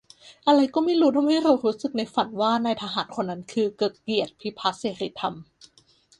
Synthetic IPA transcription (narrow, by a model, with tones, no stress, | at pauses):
ʔa˧ɾa˧jkɔː˥˩miː˥˩ɾuː˦˥t̪ʰa˧mha˥˩jɾa˧wɾuː˦˥sɯ˨˩k̚na˧jfa˨˩nwaː˥˩na˧jt̪ʰaː˧ɦaː˩˦nkʰo˧nːa˦˥nkʰɯː˧kɤː˨˩t̪̚ki˨˩ət̪̚pʰi˦˥pʰa˦˥seː˨˩ɾi˦t̪ʰːa˧m